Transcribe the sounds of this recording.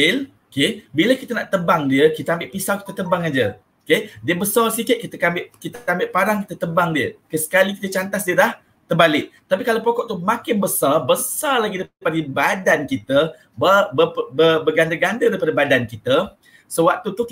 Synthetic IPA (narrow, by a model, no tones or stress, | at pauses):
l | kebiləkit̪ənaʔt̪əbaŋdiəkit̪əambɪʔpisawkit̪ət̪əbaŋad͡ʒə | okediəbəsɔrsikət̪̚kit̪əkambɪʔkit̪əambɪʔpaɾaŋkit̪ət̪əbaŋdiəkəsə̥kaliki̥t̪ət͡ʃant̪asdiəlah | t̪ərbalɪʔ̚t̪apikalawpokɔʔt̪umãkɪnbəsarbəsarlaɡidaipapadəbadankit̪ə | bəbəbəbəɡandəɡandədaɾipadəbadankit̪ə | səwak̚t̪ut̪u